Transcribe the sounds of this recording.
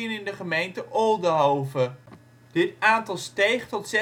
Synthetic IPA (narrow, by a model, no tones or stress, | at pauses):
ənɪndəχəmejntəʔolˠdəɦowvə | d̥ɪtaːntɑlˠstejχtɔtsɛ